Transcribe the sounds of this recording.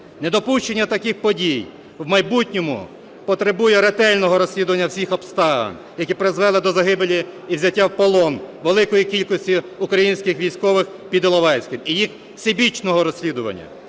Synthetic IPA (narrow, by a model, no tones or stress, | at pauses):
nɛd̪ɔpuʃt͡ʃenʲːɐt̪ɐkɪxpɔdʲij | wmɐjbutʲnʲɔmʊ̰ | pɔt̪ɾebujɛɾet̪ɛlʲnɔɦɔɾɔsʲlʲid̪ʊʋɐnʲːɐwsʲixɔpst̪ɑʋɐ̰n | jɐkʲipɾezʋɛlˠɪd̪ɔzɐɦɪbelʲiiwzʲɐtʲːawpɔlˠɔnʋelˠɪkɔjikʲilʲkɔsʲtʲi | ʊkɾɐjinʲsʲkɪxʋʲijsʲkɔʋɪxpʲid̪ɔlˠɔʋɑjsʲkʲɪmijix | sʲebʲit͡ʃnɔɦɔɾɔsʲlʲid̪ʊʋɐ̰nʲːɐ̰